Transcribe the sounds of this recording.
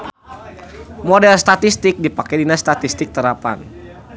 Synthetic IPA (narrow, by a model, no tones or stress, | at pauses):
modɛlst̪at̪ist̪ɪk̚dipakadinast̪at̪ist̪ɪk̚t̪əɾapa̰n